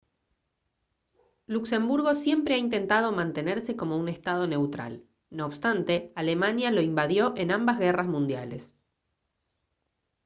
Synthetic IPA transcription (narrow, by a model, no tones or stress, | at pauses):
lukse̞mbuɾɣo̞sje̞mpɾeaint̪e̞nt̪að̞o̞mãnt̪e̞neɾse̞ko̞mo̞une̞st̪að̞o̞ne̞wt̪ɾa̰l | no̞ːβst̪ant̪e̞ale̞manjalo̞imbaðjo̞ʔe̞nambazɣerazmũnd̪ja̰le̞s